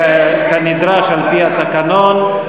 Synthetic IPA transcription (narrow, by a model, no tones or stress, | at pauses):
kanid̪ɾaʃalpihat̪akanon